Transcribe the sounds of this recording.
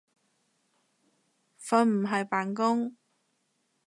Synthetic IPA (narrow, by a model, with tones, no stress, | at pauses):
fɐ˧˥nm̩˨˩ɦɐ˨jpaː˨nkʊ˥ŋ